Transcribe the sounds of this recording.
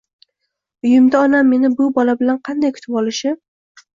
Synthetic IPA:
ʊjɪmd̪aɒnamːe̞nɪbʊbɒlabɪlanqʰɑnd̪ajkʲʰʊ̥t̪ʰɪpɒlɪʃɪ

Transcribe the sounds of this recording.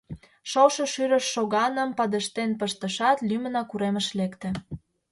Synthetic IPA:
ʃowʃɤʃyɾə̆ʃːoɣɑnə̆mpɑd̪ə̆ʃt̪enpəʃt̪ə̆ʃɑt̪lymə̆nɑkuɾemə̆ʃlekt̪ĕ

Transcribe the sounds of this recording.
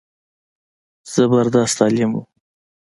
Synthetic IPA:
z̥əbaɾd̪ɑst̪ɑlemṵ

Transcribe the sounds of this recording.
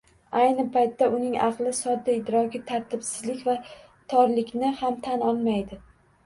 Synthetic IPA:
ajnɪpʰajt̪ʰːaʔʊnɪŋɑqlˠɪsɒd̪ːaɪd̪ɾɒɡʲɪt̪ʰaɾt̪ʰɪbsɪzlɪkʲva | t̪ʰɒɾlɪkʲnɪhamt̪ʰanɒlˠmajd̪ɪ

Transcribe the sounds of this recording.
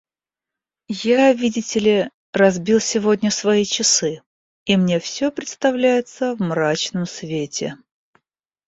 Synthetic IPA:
javʲidʲɪtʲɪlʲɪ | rɐzbʲilˠsʲɪvodʲnʲəsvɐit͡ɕɪsɨ | imnʲe̞fsʲɵpɾʲɪt̪st̪ɐvlʲæjɪt̪səvmɾat͡ɕnəmsvʲetʲɪ

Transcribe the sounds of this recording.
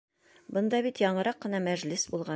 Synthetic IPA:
bɤ̆nd̪ɑbit̪jɒɴɤ̆ɾɑqːɤ̆nɑmæʒlɘsbulˠʁɑ

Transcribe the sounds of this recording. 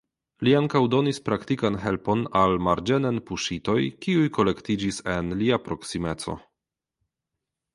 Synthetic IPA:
liaŋkawdo̞nispɾaktikanɦe̞lpo̞nalmaɾd͡ʒenenpuʃito̞jkiujko̞le̞ktid͡ʒisenliapɾo̞ksimet͡so̰

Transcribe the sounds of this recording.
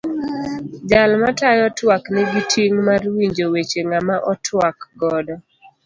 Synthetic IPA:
d͡ʒalmatajɔtwaknɛɡitʰiŋmarwiɲd͡ʒowet͡ʃeŋamaʔɔtʰwakɡɔdɔ

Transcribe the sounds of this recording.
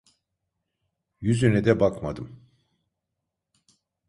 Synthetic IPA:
jyzynɛd̪ɛbakmad̪ɯm

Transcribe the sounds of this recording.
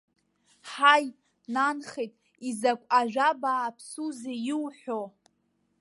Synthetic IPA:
ħaj | nanχejtʼ | izakʷʼaʒʷᶣabaːpʰsuzejiwħʷᶣo

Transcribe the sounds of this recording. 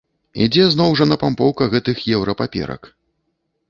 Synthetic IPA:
ḭd͡zʲɛznɔwʐɐnɐpampɔwkɐɣɛt̪ɨxjɛwɾɐpapʲɛ̰ɾɐ̰k

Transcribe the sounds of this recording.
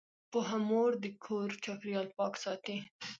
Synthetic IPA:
poɦamoɾd̪əkʰoɾt͡ʃɑkɾjɑlpɑksɑt̪i

